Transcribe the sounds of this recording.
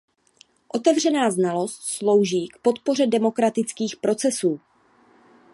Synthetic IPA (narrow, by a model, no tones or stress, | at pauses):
ʔo̞t̪ɛvr̝ɛnaːznalo̞st̪slo̞wʒiːkpo̞t̪po̞r̝ɛdɛmo̞kɾat̪ɪt͡skiːxpɾo̞t͡sɛsuː